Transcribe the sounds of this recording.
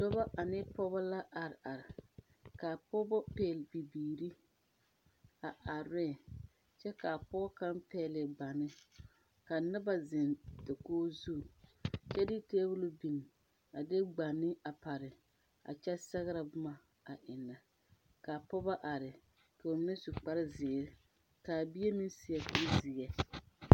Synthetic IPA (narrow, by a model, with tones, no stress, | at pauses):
dɔ˦ba˦ʔa˨nɪ˦pɔ˦ba˦la˦ʔa˨ɾɪ˨ʔa˨ɾɪ˨ | ka˨pɔ˦bɔ˦peː˦˨lbi˨biː˨ɾi˦ | a˨ʔa˨ɾɪ˦˨ | t͡ʃɛ˦ka˨pɔ˦bɔ˦ka˦mpɛː˦lɪ˨ɡ͡ba˨nɪ˦ | ka˨nɪ˦ba˦zɪ˨nda˨koː˦zu˦˨t͡ʃɛ˦dɪ˦teː˦bʊ˦lʊ˦bi˨n˨ | a˨de˦ɡ͡ba˨nːɪ˦ʔa˨pa˨ɾɪ˨ | a̰˨t͡ʃɛ˦sɛ˦ɣɪ˦ɾa˨bʊ˦ma˨ | a˨ʔɪ˨na˨ | ka˨pɔ˦ba˦ʔa˨ɾɪ˨ | ka˨m˦nɪ˦su˨k͡pa˦ɾɪ˦zɪ˨ɾɪ˦ | ka˨bi˦e˦mɪ˦n˦sɪ˨jɛ˨kʊ˦zi˨ɛ˨